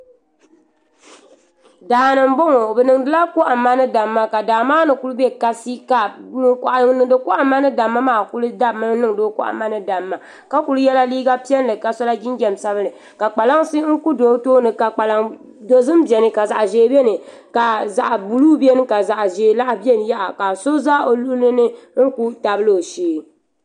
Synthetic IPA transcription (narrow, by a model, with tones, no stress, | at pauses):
daː˨nɨ˨m˦bo˦ŋo˨bɛ˨nɨ˨ŋdɨ˦la˦ku˦ʔa˨mːa˦nɨ˦da˨mːa˦ka˨daː˨maː˦nɨ˨ku˦lɨ˦bɛ˦ka˦si˦ka˨nɨ˦kɔ˨ʔa˨ŋnɨ˨dɨ˦ku˦ʔa˦mːa˦nɨ˦da˨mːa˦maː˦˨ku˦lɨ˦da˦bmɨ˦nɨ˦ŋdo˦kṵ˦ʔa̰˨mːa˦nɨ˨da˨mːa˨ | ka˦ku˨lɨ˦jɛ˦la˦liː˦ɡa˦pi˦ɛ˦n˦lɨ˨ka˨sɔ˦la˦d͡ʒi˦nɡɛ˨m˨sa˦βɨ˦nɨ˨ | ka˨k͡pa˨la˦ŋsi˦ŋ̩˦ku˦do˨˦toː˦nɨ˨ka˨k͡pa˨la˦ŋ | do˨zɨ˦mbi˨ɛ˨nɨ˨ka˨za˨ʔʒeː˦bɛ˦nɨ˨ | ka˨za˨ʔa˨bu˨luː˦bɛ˦nɨ˦ka˨za˨ʔʒeː˨˦la˦ʔbɛ˦nɨ˨ja˦ʔa˨ka˨so˦za˦o˨lu˦lɨ˦nɨ˦ŋ̩˦ku˦ta˨bɨ˦lo˨ʃeː˨˦